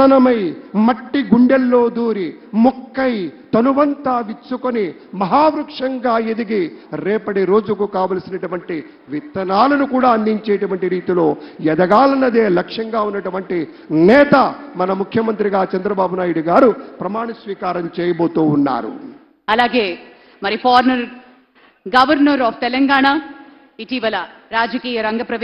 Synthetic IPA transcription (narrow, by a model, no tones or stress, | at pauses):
ɐnɐmɐjmɐʈːiɡuɳɖelːo̞ːd̪uːɾi | mukːɐjt̪ɐnuʋɐnt̪aːʋit͡ʃːukoni | mɐɦaːʋɾukʂɐŋɡaːed̪iɡiɾɛːpɐɽiɾo̞ːd͡ʒukukaːʋɐlɐsinɐʈuʋɐɳʈi | ʋit̪ːɐnaːlɐnukuːɽaːɐnd̪iɲt͡ʃeːʈuʋɐɳʈiɾiːt̪ilo̞ːjɛd̪ɐɡaːlɐnːɐd̪eːlɐkʂɐŋɡaːunːɐʈuʋɐɳʈi | nɛːt̪ɐmɐnɐmukʰjɐmɐnt̪ɾiɡaːt͡ʃɐnd̪ɾɐbaːbunaːjuɽuɡaːɾupɾɐmaːɳɐsʋiːkaːɾɐmt͡ʃɛːjɐboːt̪uːnːa̰ːɾṵ | ɐlaːɡeː | mɐɾipʰaːɾnɐɾ | ɡɐʋɐɾnɐɾaːpʰt̪ɛlɐŋɡaːɳaː | iʈiːʋɐlɐɾaːd͡ʒɐkiːjɐɾɐŋɡɐpɾɐʋ